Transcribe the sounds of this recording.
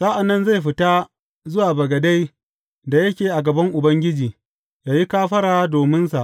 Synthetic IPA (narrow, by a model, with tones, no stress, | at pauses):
sa˦ʔa˨nːɐ˦nza˦˨jɸɪ˨ta˦ | zʊ˦waː˨bɐ˨ɡɐ˨da˦j | da˨jɐ˦kʲeː˨ʔa˨ɡɐ˨bɐ˦ŋʔʊ˨bɐ˦ŋɡʲɪ˦d͡ʒiː˨ | jaː˨ji˦kaː˦ɸɐ˦ɾaː˨˦doː˨mɪ˦nsa˨ʔ